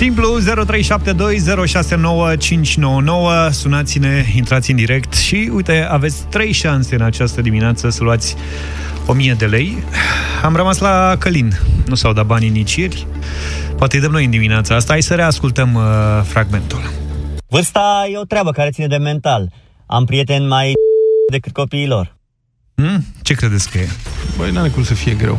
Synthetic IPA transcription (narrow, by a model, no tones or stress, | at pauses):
simpluze̞ɾo̞t̪ɾe̞jʃap̚t̪e̞d̪o̞jze̞ɾo̞ʃase̞no̞wət͡ʃint͡ʃʲno̞wəno̞wəsunat̪sine̞int̪ɾat̪sʲɨnd̪iɾe̞kt̪ʃiujt̪e̞ave̞t̪sʲt̪ɾe̞jʃanse̞ɨnat͡ʃast̪əd̪imineat̪səsəluat̪sʲ | o̞mije̞d̪e̞le̞j | amrəmaslakəlinnusawd̪at̪̚banʲinit͡ʃjerʲ | poat̪e̞ɨjd̪əmno̞jɨnd̪imineat̪saast̪aasəɾe̞askult̪əmfɾaɡme̞nt̪ulvɨrst̪aje̞o̞t̪ɾeabəkaɾet̪sined̪e̞me̞nt̪al | a̰mpɾije̞t̪e̞nmajd̪e̞kɨt̪̚ko̞piːlo̞̰r̩ | t͡ʃe̞kɾed̪e̞t̪skəjebəjnaɾekɾut̪səfije̞ɡɾḛw